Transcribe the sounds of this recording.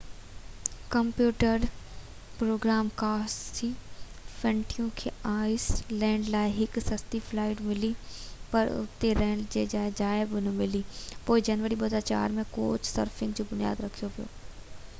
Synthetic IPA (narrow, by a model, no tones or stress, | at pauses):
kɐmpjuːʈəɾ | pɾoːɡɾaːmkaːsʰiː | fɐ̃ɳʈʰijũkʰeːaːɪslɛ̃ːɳɖlaːɪɦɪksɐst̪iflaːɪʈmɪlipɐɾʊ̰t̪eɾɛ̃ːɳɖd͡ʑeːd͡ʑaːed͡ʑaːɪbʊnmɪlipoːid͡ʑɐnʋəɾiɓɐd̪at͡ɕa̰ːɾmẽko̰ːt͡ʃʰsəɾfʰɪ̃ŋɡd͡ʑoːbʊnija̰ːd̪ɾɐkʰijopijo̰ː